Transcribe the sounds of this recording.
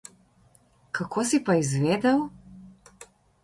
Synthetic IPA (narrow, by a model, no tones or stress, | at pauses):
kʰakʰoːsipaizʋeːd̪ɛw